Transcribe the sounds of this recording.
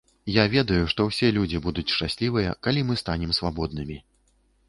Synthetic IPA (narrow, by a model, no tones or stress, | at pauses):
javʲɛd̪ɐjuʂt̪ɔwsʲɛlʲud͡zʲibud̪ut͡sʲʂt͡ʂasʲlʲivɨjɐ̰kalʲimɨst̪anʲɛmsvabɔd̪̚nɨmʲi